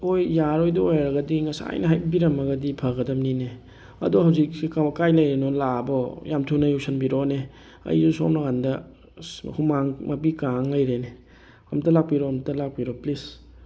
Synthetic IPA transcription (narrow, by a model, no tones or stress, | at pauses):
ojːaɾojdɐojɾɐɡɐdiŋɐsa̰jnɐɦajbiɾɐmɐɡɐdipʰɐɡɐdɐmnine | ɐ̰duhawzik̚ikakajlɐjɾenɔlabɔjamtʰunɐjusɐnbiɾɔne | ɐ̰jzuso̰mnɐkandɐ̰ | kʰumaŋmɐp̬ikaŋlɐjɾene | ɐmtɐlak̚piɾɔɐmtɐlak̚piɾoplis